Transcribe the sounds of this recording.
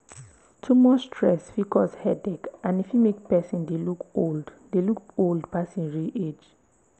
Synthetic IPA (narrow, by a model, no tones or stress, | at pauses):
tʰumɔstʰɹɛsfikʰɔshɛdɛkãnifjumek̚pɛsĩndelukold | delukoldpasĩnɹiʔed͡ʒ